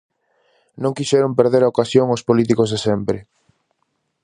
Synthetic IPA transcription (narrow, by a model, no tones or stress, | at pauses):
nõŋkiʃɛɾompeɾðeɾaokasjoŋospolit̪̬ikozðesɛmpɾɪ